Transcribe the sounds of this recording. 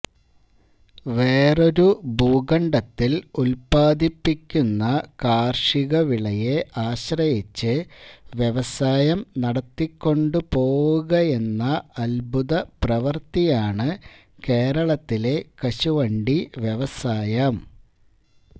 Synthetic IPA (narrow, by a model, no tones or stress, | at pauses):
ʋeːro̞ɾubuːɣɐɳɖɐt̪ːilulpaːd̪ipːikʲːunːɐkaːrʂiɣɐʋiɭɐje̞ʔaːɕrɐjit͡ɕːɨʋje̞ʋɐsaːjɐmnɐɽɐt̪ːikʲːo̞ɳɖɨpo̞ːwuɣɐe̞nːɐɐlbʱuðɐprɐʋɐrt̪ijaːɳɨ | ke̞ːɾɐɭɐt̪ːile̞kɐɕuʋɐɳɖiʋje̞ʋɐsaːjɐm